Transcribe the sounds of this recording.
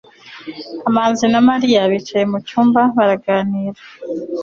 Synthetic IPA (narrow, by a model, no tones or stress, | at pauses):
amaːnzinamaɾijaβit͡ʃaje̞mucuːmbaβaɾaɡaːniɾa